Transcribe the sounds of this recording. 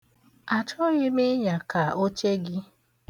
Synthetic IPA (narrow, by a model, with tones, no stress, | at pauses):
a˨t͡ʃʊ˦ɣɪ˦mɪ˦ɲa˨ka˨o˦t͡ʃe˦ɡɪ˦